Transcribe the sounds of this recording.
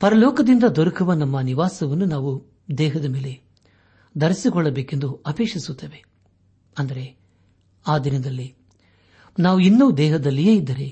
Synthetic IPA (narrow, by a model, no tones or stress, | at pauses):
pɐɾɐlɔːkɐd̪ind̪ɐd̪ɔɾɐkuʋɐnɐmːɐniʋaːsɐʋɐnːunaːʋu | d̪ɛːɦɐd̪ɐmeːle̞ | d̪ɐɾisikɔɭːɐbeːkend̪uɐpeːkʂisut̪ːeːʋe̞ | ɐnd̪ɐɾe̞ | aːd̪inɐnd̪ɐlːi | naːʋuinːuʋud̪ɛːɦɐd̪ɐlːijeːid̪ːɐɾe̞